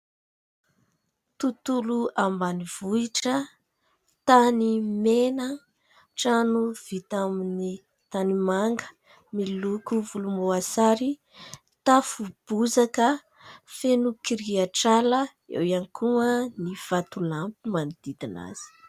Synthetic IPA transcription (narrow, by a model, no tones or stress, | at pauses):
t̪ut̪uluambaniv̥uiʈ͡ʂə | t̪animenə | ʈ͡ʂanuv̥it̪amini | t̪animaŋɡə̥ | milukuvulumoasaɾi | t̪afub̥uzakə | fenukiɾiaʈ͡ʂalə | ḛwianikuəniv̥at̪ulampimanid̪̥id̪ina̰z̥i̥